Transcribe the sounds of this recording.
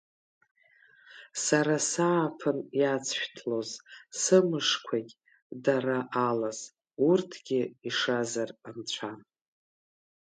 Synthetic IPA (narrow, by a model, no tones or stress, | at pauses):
saɾasaːpʰɨnjat͡sʰʃᶣtʰlo̞zsɨmɨʂkʷʰakʲʼ | daɾaʔalaz̥ | urtʰɡʲɪiʂazaramt͡ɕʷʰan